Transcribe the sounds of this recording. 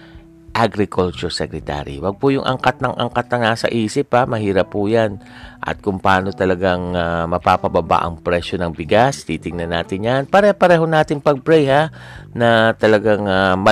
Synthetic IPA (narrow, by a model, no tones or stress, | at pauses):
ʔaɡɾɪkʰʊlt͡ʃʊɹsɛkɾɛt̪a̰ːɾḭwɐɡ̚pʊjʊŋʔɐ̰ŋkat̪̚nɐŋʔɐ̰ŋkat̪̚nɐŋnaːsɐ̰ʔiːsɪpamɐhiːɾɐpːʊjan | ʔɐ̰t̪̚kʊmpaːno̞t̪ɐlɐɡaŋamɐpaːpɐbɐba̰ʔɐ̰ŋpɾɛːʃonɐŋbɪɡast̪iːt̪ɪŋnɐnːaːt̪ɪnjanpɐɾɛpɐɾɛːɦonaːt̪ɪŋpɐɡ̚bɾɛjha | nɐt̪ɐlɐɡaŋamɐ